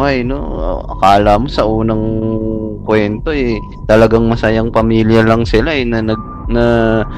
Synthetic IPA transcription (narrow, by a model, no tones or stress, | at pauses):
ajno̞̰ɐ̰kaːlamo̞sɐʔuːnɐŋ | kwɛnt̪o̞ɛ | t̪ɐlɐɡaŋmɐsɐjaŋpɐmiːljɐlɐŋsɪlaɛnɐnɐɡ̚ | nɐ